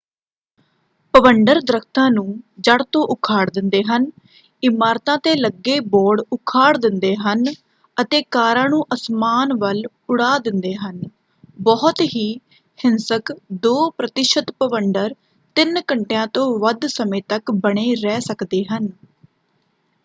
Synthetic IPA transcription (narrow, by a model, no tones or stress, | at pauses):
pəʋəɳɖəɾd̪ɾəkʰt̪ãːnũːd͡ʒəɽt̪õːʔʊkʰaːɽd̪ɪnd̪eːɦən | ɪmaːɾt̪ãːt̪eːləɡːeːbɔːɽʊkʰaːɽd̪ɪnd̪eːɦən | ət̪eːkaːɾãːnũːʔəsmaːnʋəl | ʊɽaːd̪ɪnd̪eːɦən | bɔɦət̪ɦiː | hɪnsəkd̪oːpɾət̪ɪʃət̪pəʋəɳɖəɾ | t̪ɪnkəɳʈejãːt̪õːʋəd̪səmẽːt̪əkbəɽ̃eːɾɛːsəkd̪eːɦən